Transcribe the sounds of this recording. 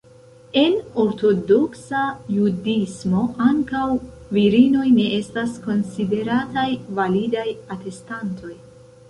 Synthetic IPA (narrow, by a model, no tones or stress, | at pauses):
e̞no̞ɾto̞do̞ksajudismo̞ʔaŋkawviɾino̞jne̞ʔe̞stasko̞nside̞ɾatajvalidajate̞stantʰo̞j